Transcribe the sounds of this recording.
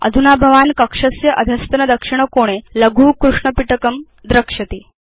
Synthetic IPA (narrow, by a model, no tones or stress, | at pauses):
ə̰d̪ʱunabʱɐʋankɐkʂɐsjɐʔɐd̪ʱɐst̪nɐd̪əkʂiɳ̃əkoɽ̃eləɡʱuːkɾuʂɳəpiʈəkəm | d̪ɾəkʂɐt̪i